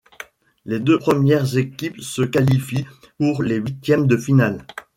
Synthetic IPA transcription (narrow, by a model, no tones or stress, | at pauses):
led̪øpχəmjɛʁzekʲipsəkalifi | puʁleɥit̪jɛmd̪əfinal